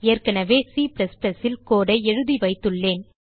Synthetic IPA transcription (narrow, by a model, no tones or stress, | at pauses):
eːrkɐnɐʋeːsiːpɪɾɐspɾɐsɪlkoːɽɐɪɛɻɯðiʋɐɪt̪ːɯɭːeːn